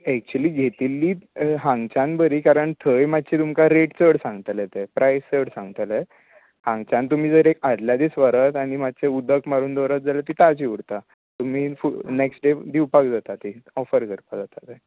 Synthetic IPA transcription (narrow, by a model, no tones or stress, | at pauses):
ɛk̚t͡ɕuəliːɡʱet̪ilːiːɦãŋɡt͡ɕãnbəɾiːkaɾəɳt̪ʰəjmad̪̚t͡ɕʰet̪umkaɾeʈt͡səɽsãŋɡət̪let̪epɾajst͡səɽsãŋɡət̪le | hãŋɡt͡ɕãnt̪um̤iːd͡zəɾekaɾljad̪isʋəɾət̪aɽ̃imat̪̚t͡ɕeud̪ʱəkmaɾuːnd̪ɔɾət̪̚d͡zalet̪iːt̪at͡ɕiʋuɽt̪a | t̪um̤iːfuneksʈɖed̪iwpakd͡zat̪at̪iɔfəɾkəɾpad͡zat̪at̪e